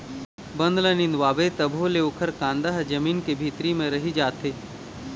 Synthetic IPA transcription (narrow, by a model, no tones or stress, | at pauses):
bɐ̃nd̪lənɪ̃nd̪waːbet̪ɐbʱoleʊkʰəɾkãːnd̪əɦd͡ʒɐmiːnkebʱiːt̪ɾimẽɾɐɦid͡ʒaːt̪eː